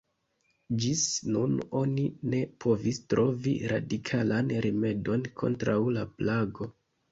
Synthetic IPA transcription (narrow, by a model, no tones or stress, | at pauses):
d͡ʒisnuno̞nine̞pʰo̞vistɾo̞vḭɾa̰dikʰalanɾime̞do̞nkʰo̞̰ntɾawlaplaɡo̞